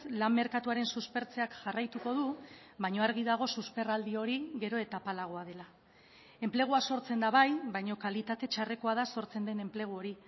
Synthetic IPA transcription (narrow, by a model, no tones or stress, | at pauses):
lamːe̞ɾkat̪uaɾe̞nsuspe̞ɾt͡se̞akʝarajt̪uko̞ðu | βajɲo̞aɾɣiðaɣ̞o̞suspe̞rald̪io̞ɾiɣe̞ɾo̞e̞t̪apalaɣ̞oað̞e̞la | e̞mple̞ɣ̞uaso̞ɾt͡se̞nd̪aβ̞ajβajɲo̞kalit̪at̪e̞t͡ʃare̞ko̞að̞aso̞ɾt͡se̞nd̪e̞ne̞mple̞ɣ̞uo̞ɾi